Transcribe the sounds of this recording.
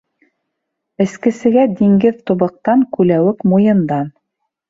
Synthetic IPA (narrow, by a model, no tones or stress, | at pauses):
ɘ̆skɘ̆sɘ̆ɡæd̪iŋɡɘðt̪uβɤ̆q̚t̪ɑŋkʉlæwɘkmujɤ̆nd̪ɑn